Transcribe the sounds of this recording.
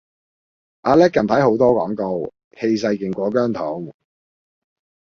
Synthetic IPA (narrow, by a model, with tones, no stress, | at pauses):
ʔaː˧lɛː˥kːɐ˨˩nt̪ʰɐ˨˥jɦo˨˥wt̪ɔː˥kɔ̰ː˨˥ŋko˨˧w | he˧js̬ɐ˧jkɪ˨˩ŋkʷɔː˨˥k̬œː˥ŋt̪ʰo˨˥w